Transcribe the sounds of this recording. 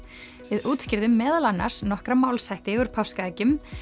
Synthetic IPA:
vɪðuːt̪scɪɾðʏmːɛːðalanːa̰ɾ̥snɔhkɾamaːwlsajht̪ɪɣʏɾ̥pʰawskaɛːcʏm

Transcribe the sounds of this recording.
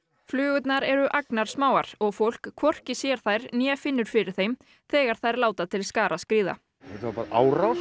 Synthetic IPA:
flʏːɣʏt̪naɾɛɾʏʔaknaɾ̥smaːwaɾ̥ɔɣfowl̥kʰːvɔr̥cɪsjɛɾ̥θajɾnjɛːfɪnːʏɾ̥fɪɾɪɾ̥θejm | θɛːɣaɾ̥θajɾlaːwt̪at̪ʰɪlskaːɾʔaskɾiːða̰ | ɛt̪apaːɾaʔaːwɾaw

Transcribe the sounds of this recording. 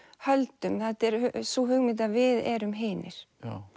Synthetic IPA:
hœlt̪ʏmθaht̪ɛɾhsuɦʏɣmɪt̪̬aðvɪðɛɾʏmɦeːnɪɾ̥

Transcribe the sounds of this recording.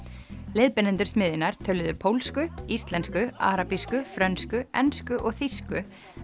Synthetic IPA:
leːðpɪnɛnt̪ʏɾ̥smɪːðɪnaɾ̥t̪ʰœlːʏðʏpʰowlskʏist̪lɛnskʏa̰ːɾapiskʏfɾœnskʏɛnskʏʔɔɣθiskʏ

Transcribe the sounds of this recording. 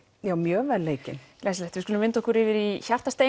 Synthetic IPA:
jaːwmjœːvɛlːeːjcɪnlɛslɛht̪vɪskʏlʏmvɪnt̪ɔhkʰʏɾɪvɪɾiçar̥t̪ast̪eː

